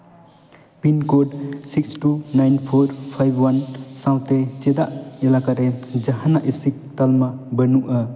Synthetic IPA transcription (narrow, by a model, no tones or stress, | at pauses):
pinkoɖsikstunajnpʰoɾpʰajbʱwansawt̪et͡ʃed̪aʔilakaɾed͡ʒɐɦɐnːaʔisik̚t̪almɐbɐnuʔɐ